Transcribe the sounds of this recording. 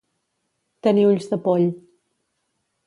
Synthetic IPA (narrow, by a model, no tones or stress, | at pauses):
t̪əniuʎzðəpɔʎ